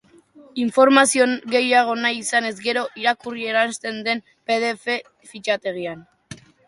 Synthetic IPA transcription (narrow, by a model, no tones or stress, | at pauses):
iɱfo̞ɾmasio̞nɣe̞jaɣ̞o̞najisane̞zɡe̞ɾo̞ʔiɾakurie̞ɾanst̪e̞nd̪e̞m | pe̞ðe̞fe | fit͡ʃat̪e̞ɣian